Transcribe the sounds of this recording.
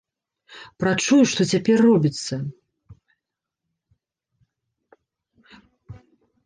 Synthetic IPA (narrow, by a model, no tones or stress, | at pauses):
pɾat͡ʂujuʂt̪ɔt͡sʲapʲɛrːɔbʲit̪sːɐ